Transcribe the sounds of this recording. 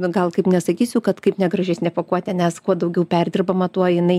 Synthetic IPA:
ɡɐlˠkɐɪpnʲɛsɐkʲiːsʲʊkɐt̪kɐɪpnʲɛɡɾɐʒʲɛsʲnʲɪpoːkuɔt̪ʲɛnʲɛskuɔd̪ɐʊɡʲɛʊpʲærʲd̪ʲɪrbɐmɐt̪uɔɪnɐɪ

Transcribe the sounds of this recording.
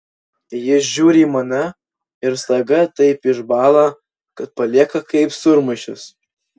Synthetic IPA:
jɪsʒʲuːɾʲiːmɐnɐ | ɪɾsɐɡɐt̪ɐɪpɪʒbɑːlˠɐ | kɐt̪̚pɐlʲiɛkɐkɐɪpsʊɾmɐʃʲʊs

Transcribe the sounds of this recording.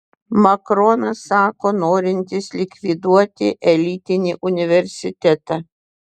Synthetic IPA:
mɐkɾɔnɐsːɑːkoːnoːɾʲɪnʲt̪ʲɪslʲɪkʲʋʲid̪uɔt̪ʲɪʔɛlʲiːt̪ʲɪnʲiːʔʊnʲɪʋʲɛɾʲsʲɪt̪ʲɛt̪ɑ

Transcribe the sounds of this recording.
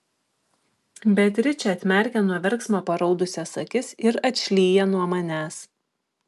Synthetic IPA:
bʲɛt̪ʲɾʲɪt͡ʃʲɛɐt̪ʲmʲɛˑɾʲkʲɛnuɔʋʲɛɾˑksmoːpɐɾɒʊd̪ʊsʲɛsɐkʲɪsɪɾɐt̪ʲʃʲlʲiːjɛnuɔmɐnʲæːs

